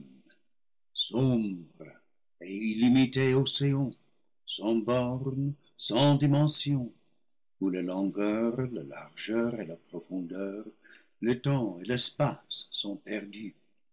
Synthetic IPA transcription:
n | sɔ̃bʁə | eilimit̪eoseɔ̃ | sɑ̃bɔʁn | sɑ̃d̪imɑ̃sjɔ̃ | ulalɑ̃ɡœʁlala̰ʁʒœʁelapʁɔfɔ̃d̪œʁ | lət̪ɑ̃elɛspasːɔ̃pɛʁd̪y

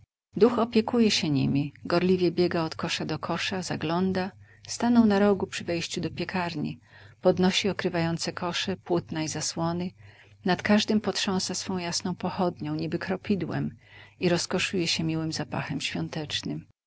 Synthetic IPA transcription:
d̪uxɔpʲjɛkujɛɕɛɲḭmʲiɡɔɾlʲivʲjɛbʲjɛɡaɔt̪kɔʂad̪ɔkʰɔʂazaɡlɔnd̪a | st̪anɔ̃w̃naɾɔɡupʂɘvɛjɕt͡ɕud̪ɔpʲjɛkʰaɾɲḭ | pɔd̪nɔɕiɔkɾɘvajɔnt̪sɛkʰɔʂɛpwut̪naizaswɔnɘ | nat̪kaʐd̪ɘmpɔtʂɔ̃w̃sasfɔ̃w̃jasnɔ̃w̃pɔxɔd̪ɲɔ̃w̃ɲibɘkɾɔpʲid̪wɛ̰miɾɔskɔʂujɛɕɛmʲiwɘmzapa̰xɛmɕfʲjɔnt̪ɛt͡ʂnɘm

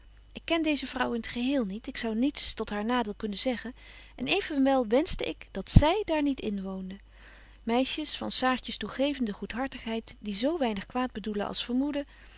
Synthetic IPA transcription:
ʔɪkːɛndejzəvrʌwɪnətχəɦɪːlˠnitɪksɑwnitstɔtɦaːɹnaːdɪːlˠkɵnənzɛχənʔɛ̰nejvənʋɛlˠʋɛnzdəɪkd̥ɑtsɛjdaːɹnitɪnʋowndə | mɛjʃəsfɑ̰nsaːɹtəstuχejvəndəχutɦɑɹtəχɦɛjtdizowʋɛjnəχkʋaːd̚bəduləɑ̰lˠsfəɹmudə

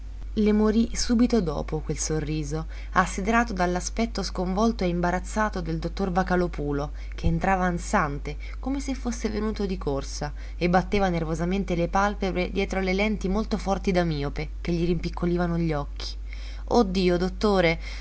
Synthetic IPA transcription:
lemoɾisuːbit̪od̪ɔ̰ːpokwelsorːiːzo | asːid̪eɾaːt̪od̪alːaspɛt̪ːoskoɱvɔlt̪oeimbaɾat̪sːaːt̪od̪eld̪ot̪ːorvakalopuːlo | k̟eːnt̪ɾaːvansant̪e | komesefːosːevenuːt̪od̪ikorsa | ebːat̪ːeːvanervozament̪elepalpebɾed̪jɛːt̪ɾolelɛnt̪imolt̪ofɔrt̪id̪amiːopek̟eʎːiɾimpikʰːoliːvanoʎːɔkʰːi̥ | od̪ːiːod̪ot̪ːoːɾe

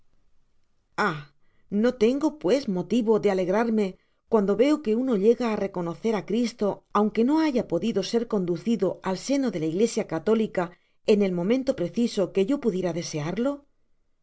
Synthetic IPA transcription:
a | no̞t̪e̞ŋɡo̞pwe̞smo̞t̪iβo̞ðe̞ale̞ɣ̞ɾaɾme̞ | kwand̪o̞βe̞oke̞uno̞ʎe̞ɣaːre̞ko̞no̞θe̞ɾakɾist̪o̞awŋke̞no̞aʝapo̞ðiðo̞se̞ɾko̞nd̪uθiðo̞alse̞no̞ðe̞laiɣle̞sjakat̪o̞lika | e̞ne̞lmõ̞mẽnt̪o̞pɾe̞θiso̞ke̞ʝo̞puðje̞ɾaðe̞se̞aɾlo̞

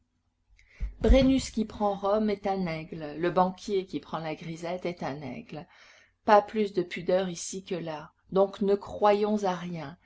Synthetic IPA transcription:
bʁenyskʲipχɑ̃ʁɔmɛt̪ɛ̃nɛɡlləbɑ̃kʲjekʲipχɑ̃laɡʁizɛt̪ɛt̪ɛ̃nɛ̰ɡl | paplysd̪əpyd̪œʁisikəla | d̪ɔ̃knəkχwajɔ̃zaʁjɛ̃

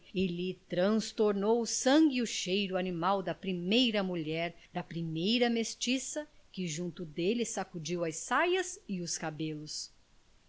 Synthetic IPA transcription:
ɪlɪt̪ɾɐ̃st̪oɾnowʊsɐ̃ɡɪʊʃejɾʊanimawd̪ɐpɾimejɾɐmuʎɛɾd̪ɐpɾimejɾɐmest͡ʃisɐkɪʒũnt̪ʊd̪elɪsakud͡ʒiwɐjsajɐzɪʊskabelʊs

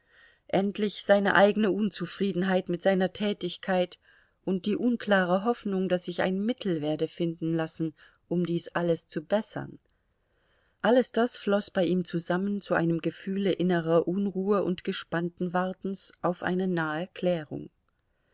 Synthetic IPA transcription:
ʔɛntlɪçz̥aɪnə̰ʔaɪɡənəʔʊnt͡sufʁ̥iːdn̩ɦaɪtmɪtz̥aɪnɐtʰɛːtɪçkʰaɪt | ʔʊnt̚d̥iːʔʊnkl̥aːʁ̞əɦɔfnʊŋdasz̥ɪça̰ɪnmɪtʰl̩veːɐdəfɪndn̩lasn̩ | ʔʊmdiːsʔaləst͡subɛsɐ̰n | ʔaləsd̥asflɔsb̥aɪʔiːmt͡suzamənt͡suʔa̰ɪnəmɡəfyːləʔɪnəʁɐʔʊnʁuːəʔʊntɡ̥əʃpantn̩vaɐtn̩sʔaʊfʔa̰ɪnənaːəkʰl̥ɛːʁ̞ʊ̰ŋ

